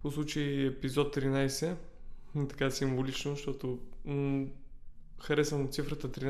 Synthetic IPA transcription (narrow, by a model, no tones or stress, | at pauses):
poslˠut͡ʃəiɛpizɔt̪ːɾinajsɛ | t̪ɐ̥kasimvolit͡ʃnoʃt̪ɔt̪o | xɐɾɛsənot̪sifɾət̪ət̪ɾin